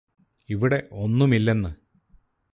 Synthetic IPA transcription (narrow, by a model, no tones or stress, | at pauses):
iʋiɽe̞ʔo̞nːumilːe̞nːɨ